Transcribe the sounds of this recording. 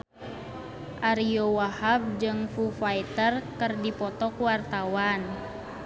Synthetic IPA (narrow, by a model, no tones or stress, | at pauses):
ʔaɾijowahab̚d͡ʒɨŋfufait̪ərkɨrdipɔt̪ɔkuwart̪awan